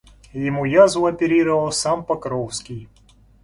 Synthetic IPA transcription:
jɪmujazʊɐpʲɪɾʲiɾəvɐlˠsampɐkɾofskʲij

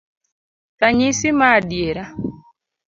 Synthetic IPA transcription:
taɲisimaɗjeɾa

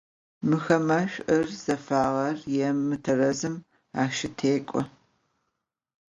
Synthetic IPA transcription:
mɨxɐmɐɕʷʼʔɐrz̥ɐfaːʁɐrjɛmːɨtʰɐrɐzɨm | aːʃɪtʰeːkʷʼɔ

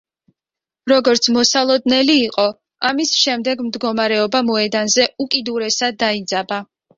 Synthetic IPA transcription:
ɾɔɡɔɾt̪sʰmɔsalˠɔd̪nɛliːqʼɔ | amisʃɛmd̪ɛɡmd̪ɡɔmaɾɛɔbamɔɛd̪anzɛukʼid̪uɾɛsad̪ːaid̪zaba

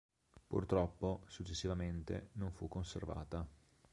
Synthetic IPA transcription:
pṵrt̪ɾɔpːosut͡ʃːesːivament̪ḛnoɱfukːonsḛrva̰ːt̪a

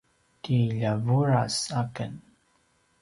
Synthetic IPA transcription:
tiʎavuɾasakən

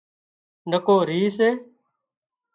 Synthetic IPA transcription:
nəkoːɾiːseː

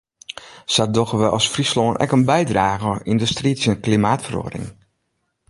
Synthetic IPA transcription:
sadɔxəʋəʔɔsfrisloːənʔɛ̰kənbɛjdraːɣəɔindəstrisənklimaːtfəro̰ːdɪ̰ŋ

